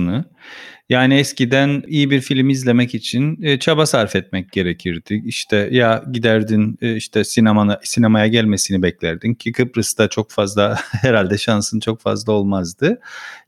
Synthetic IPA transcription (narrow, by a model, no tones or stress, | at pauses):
nɯ | jaːniɛscid̪ænijibiɾfilʲmiizlʲe̞mɛcit͡ʃʰinːt͡ʃʰabasaɾfɛt̪̚mɛc̚ɟ̥e̞ɾecʰiɾd̪iiʃt̪ʰɛjaɟid̪æɾd̪inːiʃt̪ʰɛsinemanasinemajaɟælʲme̞sinibɛclʲæɾd̪incʰikʰɯpɾɯsd̪at͡ʃʰo̞kfazlˠahɛɾalʲd̪ɛʃansɯnt͡ʃʰo̞kfa̰zlˠaolˠmazd̪ɯ